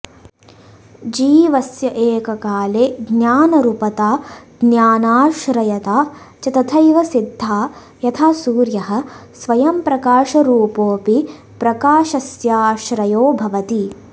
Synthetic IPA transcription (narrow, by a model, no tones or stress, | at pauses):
d͡ʒiːʋɐsjɐʔeːkɐkaːleːɡnjaːnɐɾupɐt̪aːɡnjaːnaːʃɾɐjɐt̪aː | t͡ʃɐt̪ɐt̪ʰɐjʋɐsid̪ʱːaː | jɐt̪ʰaːsuːɾjɐɦɐ̆sʋɐjɐmpɾɐkaːʃɐɾuːpoːpi | pɾɐkaːʃɐsjaːʃɾɐjoːbʱɐʋɐt̪i